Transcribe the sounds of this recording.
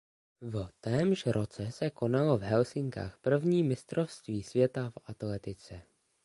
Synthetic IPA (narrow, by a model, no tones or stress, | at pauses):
vt̪ɛːmʒɾo̞t͡sɛsɛko̞nalovɦɛlsɪŋka̰ːxpr̩vɲiːmɪst̪ɾo̞fst̪viːsvjɛt̪afat̪lɛt̪ɪt͡sɛ